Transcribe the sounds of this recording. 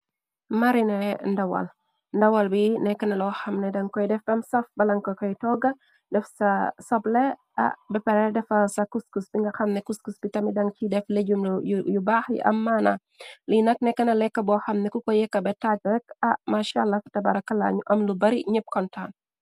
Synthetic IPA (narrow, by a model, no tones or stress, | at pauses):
mɐɾinɛndɐwɐ̰l | ndɐwɐlbinɛkːɐnɐlɔxɐmnɛdɐŋkɔjdɛfdɐmsɐfbɐlɐŋkɔkɔjtɔɡɐ | dɛfsɐsɔblɛ | ɐ̰ʔbɛpɛɾɛdɛfɐsɐkuskusbiŋɡɐxɐmnɛkuskusbitɐmidɐŋcidɛfleɟumljjubaːxḭʔɐ̰mːanɐ | linɐk̚nɛkːɐnɐlɛkːɐbɔxɐmnɛkukɔjɛkːɐbɛtak̚ɾɛkɐmaʃaːlːɐktɐbɐɾɐkːɐla̰ɲuʔɐmlubɐɾiɲəp̚kɔntaːn